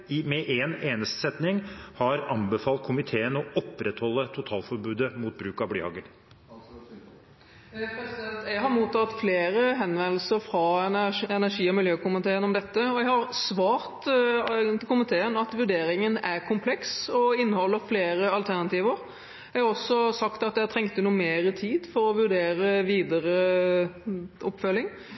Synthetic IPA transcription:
mɛʔeːneːnəst̪ə̥sɛt̪nɪŋhɑɾɑnbəfɑːlt̪̚kʰʊmɪt̪ʰeːənɔɔpːɾɛt̪hɔlːət̪ʰʊt̪ʰɑːlfɔɾbʉːd̪əmuːt̪̚bɾʉːkɑblḭːhɑ̰ːɡəɾ | pʰɛsɛt̪jɛɡɦɑɾmuːt̪ːɑt̪fleːɾəɦɛnʋɛnl̩səɾfɾɑɛnæʂiːɔmɪljøːkʊmɪt̪ʰeːənɔmd̪ɛt̪ːəɔjɛɪhɑɾsʋɑːɾt̪ | t̪ɪlkʊmɪt̪ʰeːənɑt̪ʋʉɖeːɾɪŋənæɾkʰʊmpʰlɛksɔɪnːəhɔlːəɾfleːɾəɑlt̪ʰæʁnɑt̪iːʋəɾ | ɛhɑʁɔsːɔsɑkt̪ɑt̪̚d̪ɛæt̪ʰɾɛŋkt̪ənuːmeːɾət̪ʰiːd̪fɔɾɔʋʉɖeːɾəʋiːd̪əɾə | ɔpːfœlːɪŋ

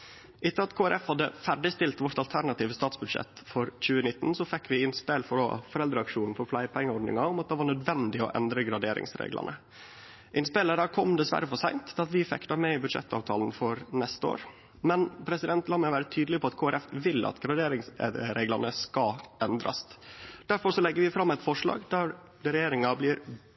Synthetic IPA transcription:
ʔɪt̪ːəɾɑt̪kʰoːæɾʔɛfhɑd̪ːə̰fæɖɪst̪ɪlt̪ʋɔʈ̪ɑlt̪ʰæɾɳɑt̪iːʋəst̪ɑːt̪sbʉd̪ʂɛ̰t̪ːfɔɾc͡çʉːənɪt̪ːn̩sɔfɛkːʋɪɪnspeːlfɔɖo̰ːfɔɾɛld̪ɾəɑkʂuːnn̩fɔɾflæɪpʰɛŋːəɔɖnɪ̰ŋɑɔmɑt̪̚d̪ɛːʋɑːɳœd̪ʋɛnd̪ɪɔ̰ʔɛ̰nd̪ɾəɡɾɑd̪eːɾɪ̰ŋsɾḛːɡlʔɑ̰nə | ʔɪnspeːləd̪æɾkʰɔmd̪ɛsʋæ̰ɾəfɔʂæɪnt̪ʰɑt̪ʋɪfɛ̰kːt̪ɑɾmɛɪbʉd̪ʂɛ̰t̪ːɑ̰ːʋt̪ʰɑːln̩fɔɾnɛst̪əo̰ːɾ | mɛnpʰɾɛsɪd̪ɛnt̪lɑːmæɪʋæːɾət̪ʰyːd̪əlɪpʰɔɑt̪kʰoːæɾɛfʋɪlːɑ̰t̪ɡɾɑd̪eːɾɪŋsɾeːɡlɑnəskɑɛnd̪ɾɑ̰sd̪̥æɾfɔɾsɔlɛɡːəɾʋɪfɾɑmːæɪt̪fɔʂɭɑ̰ːɡd̪æɾ | d̪ɾɛjeːɾɪŋɑblɪɾ

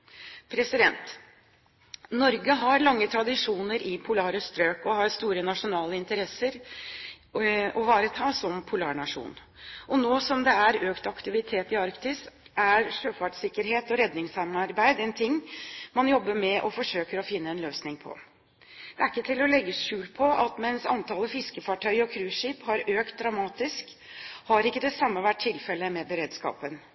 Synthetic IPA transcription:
pʰɾɛsɪd̪ɛnt̪ | nɔɾɡəɦɑɾlɑŋːət̪ʰɾɑd̪ɪʂuːnəɾʔɪpʰʊlɑːɾəst̪ɾøːkɔhɑɾst̪uːɾənɑʂʊnɑːləɪnt̪əɾɛsəɾ | ɔʋɑːɾət̪ʰɑːsɔmpʰʊlɑ̰ːɳɑʂṵːn | ʔɔnoːsɔmd̪ɛæɾøːkt̪ɑkt̪ɪʋɪt̪ʰeːt̪ɪɑɾkt̪ɪsæɾʂøːfɑʈsɪkːəɾɦeːt̪ɔɾɛd̪nɪŋshæɪmɑɑɾbæɪd̪ɛnt̪ʰɪŋːmɑnjɔbːəɾmɛʔɔfɔʂøːkəɾɔfɪnːəɛnløːsnɪŋpʰɔ̰ | d̪̥ɛæɾɪkːət̪ʰɪlɔlɛɡːəʂʉːlpʰɔɑ̰t̪mɛnsɑ̰nt̪ʰɑːləfɪskəfɑʈʰœʏɔkʰɾʉːʂiːphɑɾøːkt̪̚d̪ɾɑmɑːt̪ɪsk | hɑɾɪkːəd̪ɛsɑmːəʋæʈʰːɪlfɛləmɛbəɾeːd̪skɑ̰ːpən

